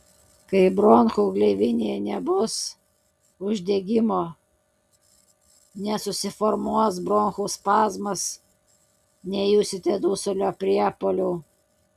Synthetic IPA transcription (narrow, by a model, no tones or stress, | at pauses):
kɐɪbɾonxuːɡlʲɛɪʋʲɪnʲeːnʲɛbʊs | ʊʒʲd̪ʲeɡʲɪmoː | nʲɛsʊsʲɪfɔɾmuɔs̬bɾonxuːspɑːzmɐs | nʲɛjʊsʲɪt̪ʲɛd̪uːsolʲoːpʲɾʲiɛpoːlʲuː